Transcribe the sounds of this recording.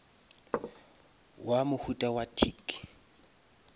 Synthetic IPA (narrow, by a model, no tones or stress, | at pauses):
wamʊhutʼawatʰik